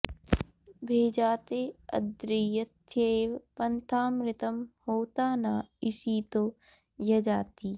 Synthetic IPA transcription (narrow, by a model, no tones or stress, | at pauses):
bʱeːd͡ʒaːt̪eːɐ̰d̪ɾijɐt̪ʰjɐeʋpɐnt̪ʰaːmɾɪt̪ɐmhoːt̪aːnaːɪsiːt̪oː | jɐd͡ʒaːt̪iː